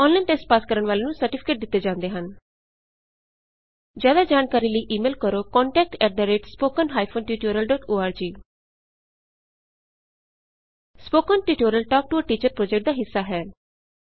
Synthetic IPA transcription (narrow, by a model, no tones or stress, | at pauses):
ɔ̃ːnlainʈeːsʈ̚paːskəɾəɳʋaːleːnũːsəɾʈɪpʰɪ̥keːʈ̚d̪ɪt̪ːeːd͡ʒãːnd̪eːɦən | d͡ʒjaːd̪aːd͡ʒaːnkaːɾiːləiːʔiːmeːlkəɾoːkɔːɳʈɛːk̚ʈɛːʈ̚d̪aːɾeːʈspoːkənɦaːipʰoːnʈiːʈoːɾəlɖɔːʈoːaːɾd͡ʒiː | spoːkənʈiːʈoːɾəlʈɔːk̚ʈʊəʈiːt͡ʃəɾpɾoːd͡ʒɛk̚ʈ̚d̪aːɦɪsːaːɦɛː